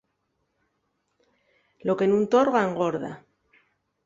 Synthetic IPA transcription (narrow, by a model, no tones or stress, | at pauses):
lo̞ke̞nũnt̪o̞ɾɣaŋɡoɾða̰